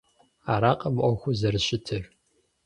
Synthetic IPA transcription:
aːɾaːqʼɐmʔʷɔxʷʊzɐrɨɕʼɪtʰɨr

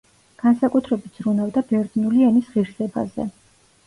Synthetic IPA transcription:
ɡ̥ansakʼut̪ʰɾɛbit̪ʰzɾunavd̪abɛɾd̪nuliɛnisʁiɾsɛba̰zɛ̰

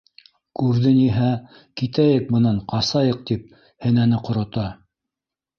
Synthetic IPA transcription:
kʉɾðɘniɦæ | kit̪æjɘk̚mɤ̆nɑɴqɑsɑjɤ̆q̚t̪ip̚ | hɘ̆nænɘqŏɾŏt̪ɑ

